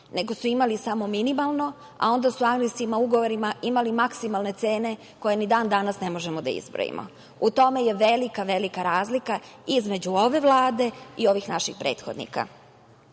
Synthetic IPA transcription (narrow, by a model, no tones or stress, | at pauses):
ne̞ɡo̞suimalisamo̞minimalˠno̞ | a̰o̞nd̪asuaɡnisimauɡo̞ʋoɾimaʔimalimaksimalˠne̞t̪se̞ːne̞ | ko̞je̞nid̪aːnd̪anasne̞mo̞ʒemo̞d̪a̰ḭzbɾo̰jḭmʔo̰ | ut̪o̞me̞je̞ʋelikaʋe̞likaɾaːzlikaizme̞d͡ʑuo̞ʋe̞ʋlˠaːd̪e̞io̞ʋixnaʃḭxpɾe̞ːt̪xod̪nḭka̰